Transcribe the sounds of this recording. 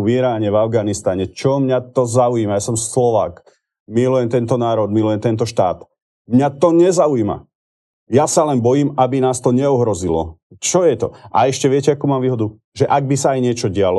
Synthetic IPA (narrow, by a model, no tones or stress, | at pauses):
viɾaːɲɛvavɡanist̪aɲɛt͡ʃɔmɲat̪ɔzaujimajasɔmslɔʋa̰ːk | milujɛmt̪ɛnt̪ɔnaːɾɔd̪milujɛmt̪ɛnt̪̬ɔʃt̪a̰ːt̪ | mɲat̪ɔɲɛzaujima̰ | jasalɛnbɔjiːmabinaːst̪ɔɲɛuɦɾɔzilɔ̰ | t͡ʃɔjɛt̪ɔʔa̰ɛʃcɛʋɪɛcɛakuːmaːmʋiːɦɔd̪u | ʒɛʔaɡ̚bisaːjɲɪɛt͡ʃɔɟɪalɔ